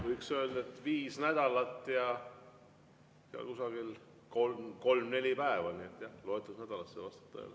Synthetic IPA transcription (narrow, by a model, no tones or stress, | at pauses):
vɤjksø̞ld̪ɑet̪ːˑviːsnæd̪̥ɑlɑt̪ˑːjɑ | seɑ̰lkusɑɡ̥il | kolmko̞lmne̞lʲipæevɑnʲiet̪ːˑjɑhloet̪ːˑusnæd̪̥ɑlɑsːevɑst̪ɑ̥t̪ːˑɑ̰jɑ̰